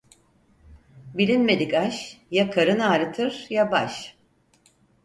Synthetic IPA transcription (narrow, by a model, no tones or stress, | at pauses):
bilʲinme̞d̪ikaʃjakʰaɾɯnaːɾɯt̪ʰɯɾ̥jabaʃ